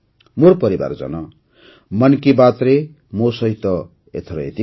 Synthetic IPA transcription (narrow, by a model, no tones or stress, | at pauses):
morpʌɾiba̰rd͡zʌ̰nʌ | mʌnkibat̪re | mosʌɦit̪ʌ | ḛt̪ʰɾʌ̰ḛt̪i